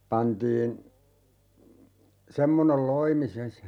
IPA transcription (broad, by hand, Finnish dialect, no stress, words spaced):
pɑntiːn semːonel loimi sen